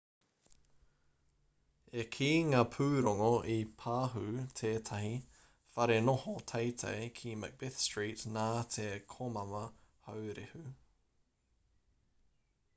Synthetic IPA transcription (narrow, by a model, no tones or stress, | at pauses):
ekʰiŋaːpʰʉːɾoŋoʔipʰaːɦʉtʰeːtʰɐhi | fɐɾenohotʰejtʰḛjkʰimə̰k̚bɪθstɹiːtnaːtʰekʰomɐmɐhowɾehʉ